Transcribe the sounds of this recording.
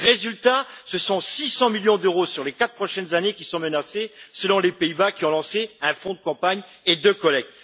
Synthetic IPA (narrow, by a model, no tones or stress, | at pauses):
ʁezylt̪asəsɔ̃sisɑ̃miljɔ̃d̪øʁosyʁlekat̪̚pχɔʃɛnzanekʲisɔ̃mənasesəlɔ̃lepeibakʲiɔ̃lɑ̃seɛ̃fɔ̃d̪əkɑ̃paɲ | ed̪økɔlɛk̪̚